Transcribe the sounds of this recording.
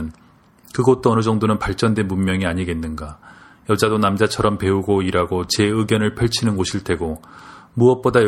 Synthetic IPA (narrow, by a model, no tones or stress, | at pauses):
n | kɯɡʌt̚t͈oʌnɯd͡ʑʌŋdonɯnpaɭt͡ɕ͈ʌndwe̞nmunmjʌŋiaɲiɡe̞nːɯnɡa | jʌd͡ʑadonamd͡ʑat͡ɕʰʌɾʌmpe̞uɡoiɾaɡot͡ɕe̞ɯɡjʌnɯɭpʰeɭt͡ɕʰinɯnɡoɕʰiɭtʰe̞ɡomuʌp͈odaj